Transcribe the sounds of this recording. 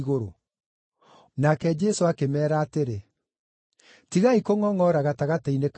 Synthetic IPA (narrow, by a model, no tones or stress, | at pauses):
ɣoɾo̰ | nakɛd͡ʒɛsoakemɛːɾaːteɾe | tiɣaikoŋɔŋɔɾaɣataɣatainek